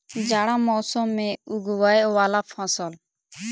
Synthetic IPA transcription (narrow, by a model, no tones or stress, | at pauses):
d͡ʒaːɽãːmɔːsomːẽːuɡʋaːjʋaːlaːpʰãːsɔl